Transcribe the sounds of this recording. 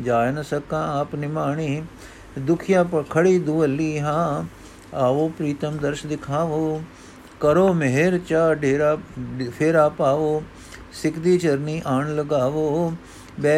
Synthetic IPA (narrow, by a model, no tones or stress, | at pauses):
d͡ʒaːjnəsəkãːaːpnɪmaːɳ̃iː | d̪ʊkʰɪjãːpəkʰəɽiːd̪ʊʋəlːiːɦãː | aːʋoːpɾiːt̪əmd̪əɾʃd̪ɪkʰaːʋoː | kəɾoːmeɦeɾt͡ʃaːɖeːɾaːpʰɪɾaːpaːʋoː | sɪkd̪iːt͡ʃəɾniːʔaːɳləɡaːʋoː | bɛː